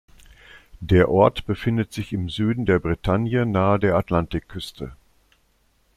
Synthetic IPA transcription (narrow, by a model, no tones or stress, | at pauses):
d̥eːɐʔɔɐtb̥əfɪndətz̥ɪçɪmzyːdn̩deːɐbʁitʰanjənaːədeːɐatlantɪkʰːʏstʰə